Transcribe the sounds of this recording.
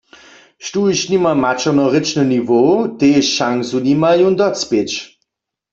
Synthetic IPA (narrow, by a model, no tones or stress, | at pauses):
ʃtuiʃnimamat͡ʃɔnɔʁɪt͡ʃnənivoteʃːaŋsunimajund̪ɔt͡spet͡ʃ